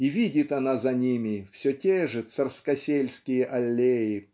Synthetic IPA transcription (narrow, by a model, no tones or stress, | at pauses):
ivʲidʲɪt̪ɐnazɐnʲimʲɪfsʲɵtʲeʐɨt̪sɐrskɐsʲelʲskʲɪjəʔɐlʲːejɪ